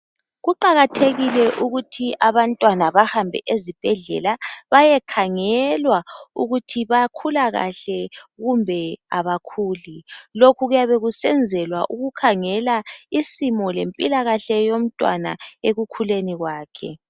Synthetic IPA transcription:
ɣuǃaɣatʰeɣilɛʔuɣutʰiaβantʼwanaβahambʱɛ̰ʔezib̥ʱɛɮɛ̰laβajɛkʰaŋɛlwauɣutʰiβakʰulaɣa̰ɬɛɣumbʱɛaβakʰuːlilokʰuɣujaβeɣusɛnd͡zʱɛlwaʔuɣukʰaŋɛlaisimɔlempʼilaɣaɬɛjom̩tʼwa̰na̰eɣukʰuleniɣwaːkʰɛ̰

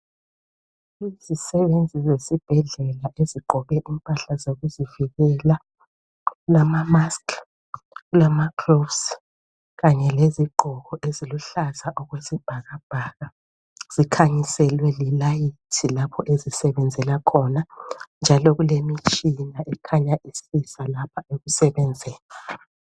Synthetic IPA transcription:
izisɛβend͡zʱizesib̥ʱɛɮɛlaʔeziǃʱɔβɛʔimpʼaɬazoɣuziviɣɛla | ɣulamamaskʰ | ɣulamakʰrofs | ɣaɲɛleziǃʱɔɣɔʔeziluɬazaʔɔɣwezib̥ʱaɣab̥ʱaɣa | z̥ikʰaɲisɛlwɛlilajitʰilapʰɔʔezisɛβɛnd͡zʱɛlakʰɔnand͡ʒʱalɔɣulemit͡ʃʼinaʔɛkʰaɲaʔisisalapʰaeɣusɛβɛnd͡zʱɛːla

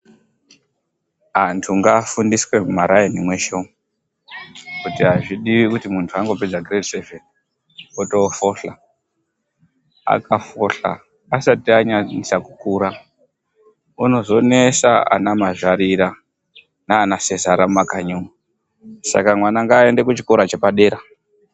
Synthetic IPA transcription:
ɦantʰuŋɡafundiswe̞mumaɾajenimweʃomu | kutiɦaʐiɗiʋikutimuntʰuaŋɡo̞ped͡zaɡretseven | otofo̞ɬa | a̰kafoɬa̰ː | satiaɲaɲisaku̥kuɾa | uno̞zo̞nesaa̰namaʐaɾiɾa | naːnasezaɾamakaɲuŋu | sa̰kamwanaŋɡaːe̞nde̞kut͡ʃikoɾat͡ʃepaɗe̞ɾa

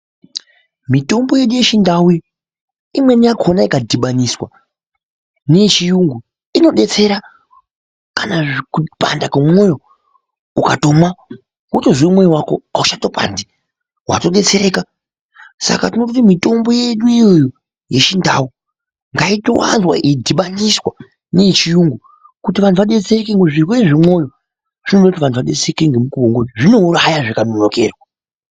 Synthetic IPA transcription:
mito̞mbo̞je̞ɗuje̞ʃindawi | imwe̞nijakʰo̞naikadʱiɓaniswa | net͡ʃijuŋɡu | ino̞ɗe̞t͡se̞ɾa | kanakupa̰ndakemojo̞ | ukato̞ma | wutoʐiumwe̞jiwako̞̰auʃato̞pa̰ndi | wa̰to̞ɗe̞t͡se̞ɾe̞ːka | sa̰katinotutimito̞mbo̞jeɗuijo̞jo | je̞t͡ʃindawu | ŋɡaito̞̰wa̰nzwa̰ʔidʱiɓaniswa | net͡ʃijuŋɡu | kutiʋantʰuʋaɗe̞t͡serekeŋɡeʐirweʐimo̞jo̞ | ʐ̥inoɗout̬iʋantʰuʋaɗe̞t͡seeekeŋɡemukuoŋɡoiʐino̞uɾajaʐikanoɲoke̞̰ːrwa

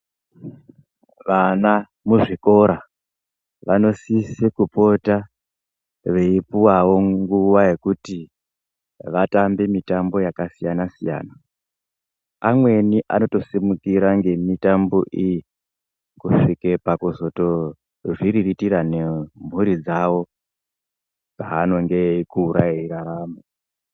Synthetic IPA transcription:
ʋana | muʐiko̞ɾa | ʋano̞sisikupo̞ta | ʋe̞ipuwawo̞ŋɡuʋaje̞kuti | ʋatambe̞mitambo̞jakasijanasija̰ːna | amwe̞niʔa̰no̞to̞simukiɾaŋɡe̞mitambo̞ʔiji | kuʂike̞pakuzo̞to̞ | ʐiɾiritiɾane̞m̤uɾid͡zawo̞ | paːno̞ŋɡe̞ikuːɾaeiɾaɾaːma

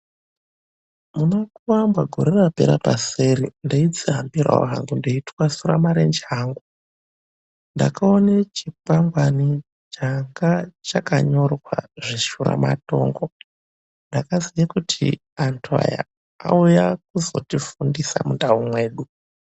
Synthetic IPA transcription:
munokuwambwaɡʱo̞ɾerape̞̰ɾapaseɾindoid͡ziɦambira̰o̰ɦa̰ŋɡundiitwasuɾa̰maɾend͡ʒaːŋɡu | nda̰kaonet͡ʃipaŋɡwani | t͡ʃaŋɡat͡ʃakaɲo̞rkwa̰ʐiʃuɾa̰ma̰to̞̰ːŋɡo | ndakazijakutʰḭ | antʰua̰ja̰ | a̰ujak̚uzo̞̰tifundisamundaumwe̞ːɗu

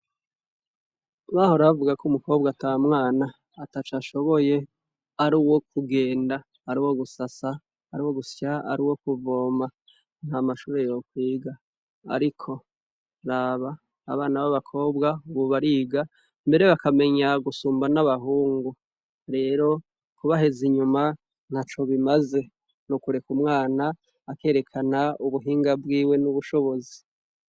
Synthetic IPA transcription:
βaːho̞ɾaβavuɡakʰumuko̞ːbɡatamŋaːnaː | tat͡ʃaʃo̞βo̞je̞ | aɾuːwo̞kʰuɡe̞ːndaː | ɾuːwo̞ɡusasaː | ɾiwo̞ɡuscaa̰ɾuːwo̞kuvo̞ma | n̥hamaʃuːɾe̞jo̞kwiːɡa | a̰ɾikʰo̞ | ɾaːβa̰ː | βaːnaβaβakʰo̞ːbɡauβuβaɾiːɡa | mbe̞ɾe̞βakame̞ɲaɡusuːmbanaβaɦuːŋɡu | ɾe̞ːɾo̞ | kuβaɦe̞ziɲuma | n̥hat͡ʃo̞βimaze̞ | nukuɾe̞kumŋaːnaː | ke̞ːɾe̞kʰanauβuɦiːŋɡabɡiːwe̞nuβuʃo̞βo̞zi̥

